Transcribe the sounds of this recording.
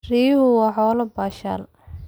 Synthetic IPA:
riːhʊwɑːħɔːlɐbaːʃa̰ːl

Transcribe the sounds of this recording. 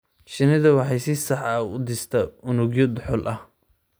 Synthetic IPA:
ʃɪnɪðɐwɑħɑjsɪsɑħɐʊ̰d̪ɪst̪ʰɐʊnʊɡjɔd̪ʊħɔlʔɐh

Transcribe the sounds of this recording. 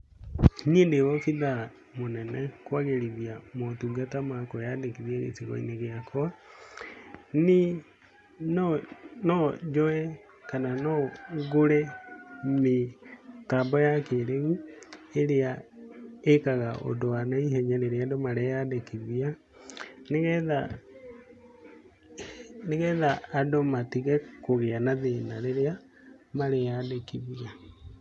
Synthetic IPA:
niendewɔfiða | monɛnɛkwaɣeɾiðiamotuɡatamakɔjadekiðiaɣḛt͡siɣɔ̰ḭneɣeakʰɔa | ni | nɔnɔd͡ʒɔɛ | kananɔɣoɾɛ | metambɔjakeɾeɣueɾea | ekaɣaʔo̰ndoanaiɦɛɲɛneɾeaɛdomaɾejadekiβia | neɣɛða | neɣɛðaːdomatiɣɛkoɣeanaðenaɾeɾea | maɾejadekiβia

